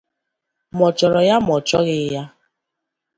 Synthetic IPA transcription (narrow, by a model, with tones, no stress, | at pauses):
mɔ˨t͡ʃɔ˨ɾɔ˨ja˦mɔ˨t͡ʃɔ˦ɣɪ˦ja˦